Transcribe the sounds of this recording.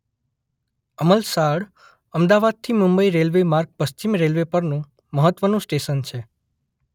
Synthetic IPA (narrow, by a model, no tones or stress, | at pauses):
əməlsaɽ | əmd̪aʋad̪̚t̪ʰimũmbəiɾelʋemaɾk̚pəst͡ʃimɾelʋepəɾnũ | məɦət̪ʋənũsʈeʃənt͡ʃʰe